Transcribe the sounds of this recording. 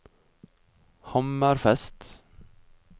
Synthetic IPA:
hɑməɾfɛst̪

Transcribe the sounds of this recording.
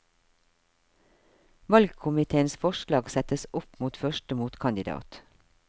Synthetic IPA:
ʋɑlɡkʰʊmɪt̪ʰeːənsfɔʃlɑːɡsɛt̪əsɔpmuːt̪fœʃtəmuːt̪kʰɑnd̪ɪd̪ɑ̰ːt̪

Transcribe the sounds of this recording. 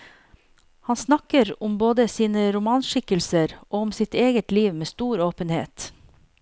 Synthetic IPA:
hɑnsnɑkəɾʊmboːd̪əsiːnəɾʊmɑːnʃɪkəlsəɾʔoːʊmsɪt̪eːɡət̪liːʋmeːst̪uːɾoːpənhḛːt̪

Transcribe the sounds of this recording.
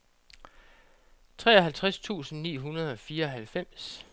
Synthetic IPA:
t͡sʰʁɛ̰ːɒ̽ɦælt͡sʰʁast͡sʰṵːsn̩nḭːɦunɐð̞ˠɒ̽fiːɐɒ̽ɦælfem̰s

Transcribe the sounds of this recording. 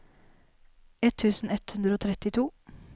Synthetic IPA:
ɛt̪ʰːʉːsn̩ɛt̪hʉnd̪ɾəoːt̪ʰɾɛt̪ɪt̪ʰuː

